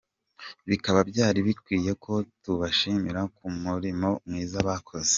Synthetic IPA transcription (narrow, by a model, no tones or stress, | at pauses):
βikaβabɟaːɾiβikwiːje̞kʰo̞tuβaʃimiɾakumuɾimo̞mŋiːzaβakʰo̞ze̥